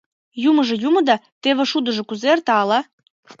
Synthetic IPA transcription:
jumɤ̆ʒɤ̆jumɤ̆d̪ɑt̪eβĕʃud̪ə̆ʒɤ̆kuzert̪ɑlɑ

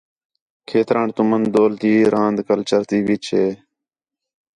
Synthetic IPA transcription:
kʰeːt̪ɾaːɳt̪ʊmənd̪oːlt̪iːɾʔãːnd̪kəlt͡ʃəɾt̪iːʋit͡ʃʰeː

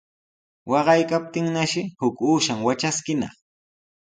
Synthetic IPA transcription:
wɑɢɑjkap̚t̪ɪŋnaʃɪhʊkuːʃaŋwat͡ʃaskɪnɑ̰χ

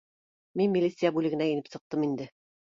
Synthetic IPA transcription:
minmʲilʲit̪sɨjabʉlɘ̆ɡɘ̆næɘ̆nɘpsɤ̆q̚t̪ɤmind̪ɘ

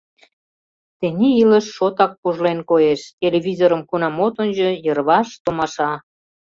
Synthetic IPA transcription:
t̪enʲiiləʃːot̪ɑk̚puʒlenkojeʃt̪ʲeleβʲizoɾəmkunɑmot̪onʲʑojərβɑʃt̪omɑʃɑ

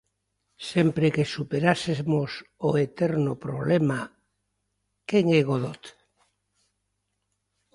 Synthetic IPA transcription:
sempɾekesupeɾasemosoet̪eɾnopɾoβlema | keŋeɣoðot̪

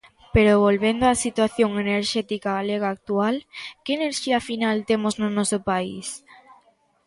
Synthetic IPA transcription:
peɾoβolβend̪oasit̪waθjoŋeneɾʃɛt̪ikaɣaleɣaːk̚t̪ualkeːneɾʃiafinalt̪emoznonɔsopaḭs

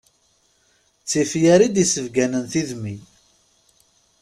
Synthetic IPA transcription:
t͡sːifjæɾid̪isəvɡænənθiðmi

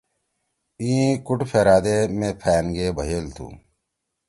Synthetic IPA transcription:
ĩːkuʈpʰeːɾaːd̪eːmẽpʰɛːnɡeːbʱɐɦelt̪ʰṵː

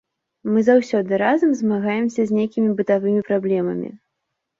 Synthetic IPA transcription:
mɨzawsʲɔd̪ɨɾazɐmzmaɣajɛmsʲɐzʲnʲejkʲimʲibɨt̪avɨmʲipɾablʲɛmɐ̰mʲḭ

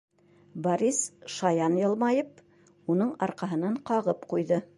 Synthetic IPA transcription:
bɐɾʲisʃɑjɑnjɤ̆lˠmɑjɤp̚ | unɤɴɑɾqɑɦɤ̆nɑɴqɑʁɤpqujðɤ

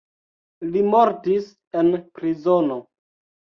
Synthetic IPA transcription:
limoɾtis | e̞npɾizono

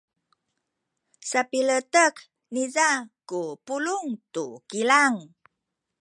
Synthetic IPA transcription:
sapilətək | nizakupuluŋtukilaŋ

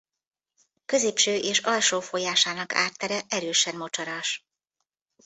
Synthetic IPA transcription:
kø̞zeːpʃøːʔeːʃɒlʃoːfojaːʃaːnɒkʰa̰ːrt̪ːɛɾɛʔɛɾøːʃɛnmo̞t͡ʃɒɾɒʃ

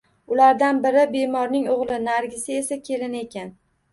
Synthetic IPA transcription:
ʊlaɾd̪anbɪɾɪbe̞mɒɾnɪŋoʁlˠɪnaɾɡʲɪsɪe̞sakʲʰe̞lɪne̞kʲʰan

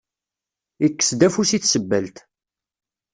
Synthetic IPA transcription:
ikːə̥sd̪æfusiθsəbːəlt̪

